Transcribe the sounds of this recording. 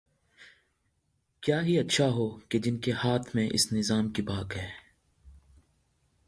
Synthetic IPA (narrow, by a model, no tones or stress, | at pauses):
kjaːɦiɐtːʃʰaɦoːked͡ʒɪnkehaːt̪ʰmẽʔɪ̰snɪzaːmkibaːkɦɛː